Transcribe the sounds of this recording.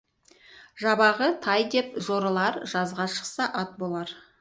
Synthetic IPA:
ʒɑbɑʁət̪ʰɑjd̪e̞pʒo̞ɾlˠɑɾʒɑzʁɑʃə̥qsɑʔɑt̪̚bolˠɑɾ

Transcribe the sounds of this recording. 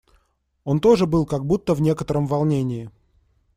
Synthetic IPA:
o̞nt̪o̞ʐɨbɨlˠkaɡ̚but̪ːəvnʲe̞kət̪əɾəmvɐlˠnʲenʲɪɪ

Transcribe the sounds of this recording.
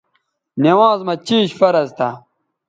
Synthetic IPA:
newãːzmɐt͡ɕiːɕfɐɾɐzt̪ʰa̰

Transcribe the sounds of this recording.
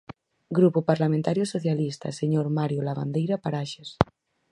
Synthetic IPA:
ɡɾupupaɾlamẽnt̪aɾjosoθjalist̪a̰seɲoɾmaɾjolaβa̰nd̪ejɾapaɾaʃes

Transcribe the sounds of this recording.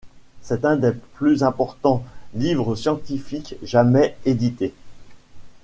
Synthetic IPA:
sɛt̪ɛ̃d̪eplyzɛ̃pɔʁt̪ɑ̃livʁəsjɑ̃t̪ifikʒamɛed̪it̪e

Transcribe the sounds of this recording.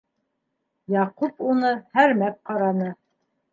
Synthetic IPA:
jɑqupunɤhæɾmæp̚qɑɾɑnɤ

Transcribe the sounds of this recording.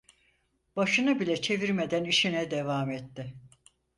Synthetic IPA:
b̥aʃɯnɯbilʲɛt͡ʃʰe̞viɾmed̪æniʃinɛd̪evaːmet̪ːɪ

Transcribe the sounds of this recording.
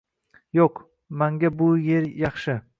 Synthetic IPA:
joq | maŋɡʲabʊje̞ɾjɑχʃɪ

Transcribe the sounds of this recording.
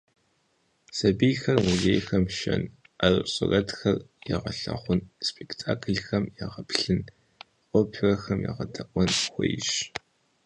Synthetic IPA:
sɐbijxɐrmuzeːjxɐmʃɐn | arɨɕʼɪrɐdxɐrjaʁɐɬɐ̰χʷʊnspʰʼektʰaːkʰɨɮxɐmjaʁɐpʰɬɨn | qʷʼɔpʰrɐxɐmja̰ʁɐtʰɐʔʷʼɔnxʷejʃ

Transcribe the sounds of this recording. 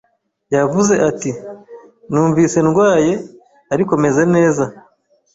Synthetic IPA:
javuze̞ʔati | nuːɱvise̞nɡwaːje̞ | aɾiko̞me̞ze̞ne̞ːza

